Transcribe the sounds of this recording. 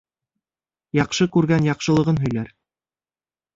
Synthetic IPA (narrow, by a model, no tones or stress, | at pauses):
jɑqʃɤkʉɾɡænjɑqʃɤ̆lˠɤ̆ʁɤnɦɵ̆jlæɾ